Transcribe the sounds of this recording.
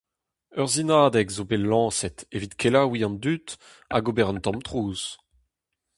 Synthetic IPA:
œʁzinaːd̪ɛkzobelɑ̃ːsɛt̪evit̪kʰelawiɑ̃nd̪yt̪ | a̰ɡobɛʁə̃nt̪ɑ̃mt̪ʁuːz̥

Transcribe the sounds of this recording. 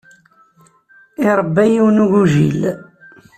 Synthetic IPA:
ɪɾˤəbːæjiwnuʝuʒḭl

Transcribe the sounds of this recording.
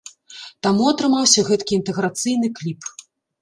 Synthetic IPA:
t̪amuɐt̪ɾɨmawsʲɐɣɛt̪kʲiːnt̪ɛɣɾat̪sɨjn̪ɨklʲip

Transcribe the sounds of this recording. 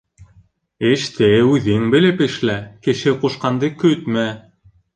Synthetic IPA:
ɘ̆ʃt̪ʰɘʉðɘŋbɘ̆lɘpɘ̆ʃlækɘ̆ʃɘquʃqɑnd̪ɤkɵt̪mæ

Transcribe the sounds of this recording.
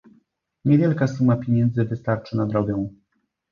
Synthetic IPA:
ɲɛvʲjɛlkasumapʲjeɲɛnd̪zɘvɘst̪aɾt͡ʂɘnad̪ɾɔɡɛw̃

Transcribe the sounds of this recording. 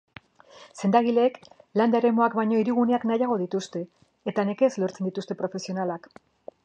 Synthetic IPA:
se̞nd̪aɣ̞ile̞ːkland̪aeɾe̞mo̞akbajɲo̞iɾiɣ̞une̞aknajaɣ̞o̞ðit̪ust̪e̞ː | t̪aneke̞zlo̞ɾt͡send̪it̪ust̪e̞pɾo̞fe̞sio̞nalak

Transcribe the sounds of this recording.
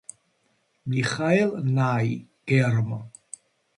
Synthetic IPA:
miχajlˠnajɡ̥ɛrmɔ

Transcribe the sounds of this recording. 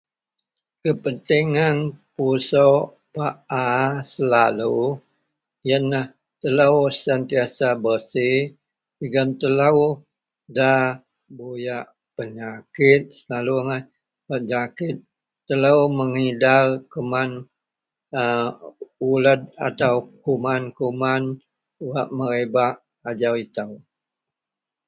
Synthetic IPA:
kəpənt̪iŋanpuso | paʔasəlalu | jənːah | t̪ələwsənt̪iasabəsih | əɡant̪ələw | da | bujaʔ | pəɲakɪt̪̚səlaluŋa | pəɲakɪt̪̚ː | ələwməŋidarkəman | ə | uləd̪̚a̰t̪awkumankuman | uwaʔməɾebaʔ | ad͡ʒawit̪əw

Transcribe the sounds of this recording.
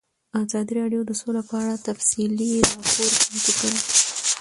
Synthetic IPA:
ɑzɑd̪iɾɑɖjod̪əsolapəaɽat̪afsiliɾɑpoɾkant̪ikəɾi

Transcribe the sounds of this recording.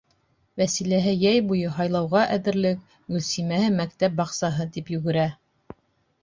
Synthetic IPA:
wæsilæɦɘjæjbujɤɦɑjlˠɑwʁɑʔæðɘ̆ɾlɘk̚ | ɡɵ̆lsimæhɘmækt̪æp̚bɑqsɑɦɤt̪ipjɵ̆ɡɘ̆ɾæ

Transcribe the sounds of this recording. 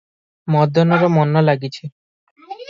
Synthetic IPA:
mɔd̪ʱɔnɔɾɔmɔnːɔlaɡit͡ɕʰi

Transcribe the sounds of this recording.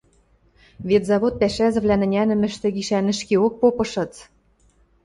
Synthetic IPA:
βet̪zɑβot̪̚pæʃæzɘ̆βlænɘ̆nʲænɘ̆mɘ̆ʃt̪ĕɣiʃænɘ̆ʃkeok̚popɤ̆ʃɤ̆t͡s

